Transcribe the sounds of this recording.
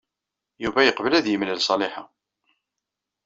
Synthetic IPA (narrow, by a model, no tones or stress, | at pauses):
juvæjəqvəlæðjəmləlsˤɑlɪħa